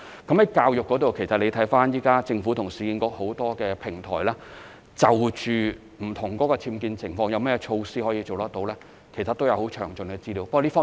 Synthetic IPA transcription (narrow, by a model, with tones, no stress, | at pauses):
kɐ˨˥mhɐ˨˥jkaː˧wjʊ˨kːɔː˨˥t̪o˨wkʰe˨˩jsɐ˨t̚le˨˧t̪ʰɐ˨˥jfaː˥njiː˥kaː˥t͡sɪ˧ŋfu˨˥t̪ʰʊ˨˩ŋsiː˨kiː˧nkɔː˨˥k̚ho˨˥wt̪ɔː˥kɛː˧pʰɪ˨˩ŋt̪ʰɔ̰ː˨˩jlɛː˥ | t͡sɐ˨wt͡ʃyː˨ | m̩˨˩t̪ʰʊ˨˩ŋkɔː˨˥kɔː˧t͡sʰiː˧mkiː˧nt͡sʰɪ˨˩ŋfɔː˧ŋjɐ˧wmɛː˥ɛ˧t͡ʃʰo˧wsiː˥hɔ˨˥jiː˧t͡ʃo˨wt̪ɐ˥t̚t̪o˨˧wlɛː˥ | kʰe˨˩jsɐ˨t̪ːwjɐ˨˧who˨˥wt͡ʃʰœː˨˩ŋt͡ʃɵ˨nkɛː˧t͡siː˥˩liː˨˥wpɐ˥k̚ɔ˨˧li˥fɔː˥